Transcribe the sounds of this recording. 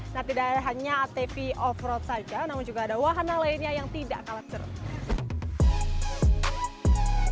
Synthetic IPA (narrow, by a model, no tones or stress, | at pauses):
nat̪idaʔɦaɲaːt̪efiʔɔfɾɔt̪̚sad͡ʒanamʊnd͡ʒuɡaːdawaɦanalainɲajaŋt̪idaʔkalat͡ʃər̰